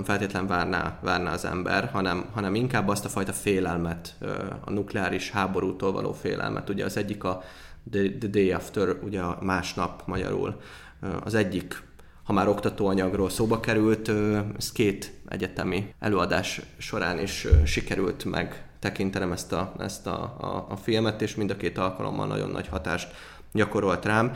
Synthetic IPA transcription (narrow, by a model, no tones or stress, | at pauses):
mfɛlt̪eːt̪lɛɱvaːrna̰ːvaːrna̰ɒzɛ̰mbɛ̰rhɒnɛmɦɒnɛmiŋkaːbːɒst̪ɒfɒjt̪ɒfeːlɛlmɛt̪ːɒ̰nuklɛaːɾiʃhaːbo̞ɾuːt̪oːlvɒ̰lʔo̰ːfḛːlʔɛ̰lmʔɛ̰t̪uɟɛ̰ɒzɛɟːikɒ | d̪d̪d̪eːɛft̪øɾuɟɛɒmaːʃnɒpmɒɟɒ̰ɾṵl | ɒ̰zɛɟːik | hɒmaːɾo̞kt̪ɒt̪oːɒɲɒɡroːlsoːbɒkɛɾylt̪skeːt̪ʔɛ̰ɟɛt̪ɛmiɛ̰løːɒd̪aːʃːo̞ɾaːniʃʃikɛɾylt̪mʔɛ̰ɡt̪ɛkint̪ɛnɛmɛst̪ɒɛst̪ɒfilmɛt̪eːʃmind̪ɒkeːt̪ɒlkɒlo̰mːɒ̰lnɒ̰ɟo̞̰nːɒ̰ɟhɒt̪a̰ːʃt̪ | ɟɒko̞ɾo̞lt̪raːm